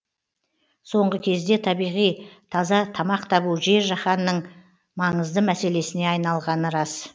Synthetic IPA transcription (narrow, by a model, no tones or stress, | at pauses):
so̞ɴʁəkʲʰe̞zd̪e̞t̪ʰɑbijʁijt̪ʰɑzɑt̪ʰɑmɑqt̪ʰɑβuʒe̞ɾʒɑχɑnːəɴ | mɑɴəzd̪əmæse̞le̞sɪne̞ɑjnɑlˠʁɑnəɾɑs